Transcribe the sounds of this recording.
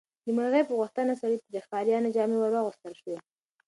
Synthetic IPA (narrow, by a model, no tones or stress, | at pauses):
d̪əmaɾɣəjpəɣʊxt̪ənasaɾit̪əd͡ʒaxkɑɾjɑnad͡ʒɑmewaɾwaɣʊst̪əlʃwa